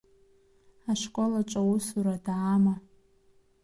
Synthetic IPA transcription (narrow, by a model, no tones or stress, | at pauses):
aʂkʷʼolat͡ʃʷʼawusuɾadaama